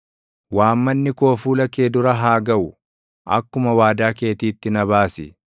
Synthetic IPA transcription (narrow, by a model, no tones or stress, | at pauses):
waːmːɐnːɪko̞ːfuːlɐke̞ːd̪ʊɾɐɦaːɡɐʔʊ | ʔɐ̰kːʊmɐwaːd̪aːke̞ːt̪iːt̪ːɪnɐβaːsɪ̰